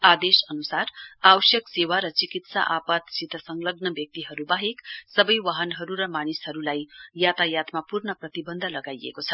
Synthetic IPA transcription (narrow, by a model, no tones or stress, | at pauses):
ad̪esʌnusarawsjʌksewaɾʌt͡sikit̪sa̰ʔapat̪sit̪ʌsʌŋlʌɡnʌbjʌk̚t̪iɦʌɾubaɦeksʌbʌjwaɦʌnɦʌɾuɾʌmanishʌɾulajjat̪ajat̪mapurnʌprʌt̪ibʌnd̪ʱlʌɡajḛkot͡sʰʌ